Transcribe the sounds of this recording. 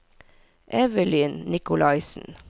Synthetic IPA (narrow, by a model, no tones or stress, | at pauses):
ʔɛʋəliːnnɪkʊlɑɪsn̩